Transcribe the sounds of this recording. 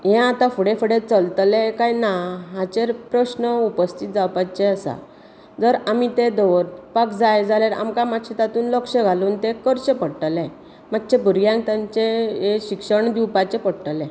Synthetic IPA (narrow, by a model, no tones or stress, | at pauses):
ɦɛ̃at̪afuɽefəɽet͡səlt̪lẽkajnaɦat͡ɕeɾpɾəɕnəupəst̪ʰit̪̚d͡zawpat͡ɕeəsa̰ | d͡zəɾamit̪ed̪ɔʋɾpakd͡zajd͡zalaɾa̰mkamatɕʰet̪at̪uːnləkʂəɡʱaluːnt̪ekəɾɕepəɽʈlɛ̃ | mat̪ːɕebʱuɾjãŋk̚t̪ãɲt͡ɕeeɕikʂəɳd̪iwpat͡ɕepəɽʈəlɛ̃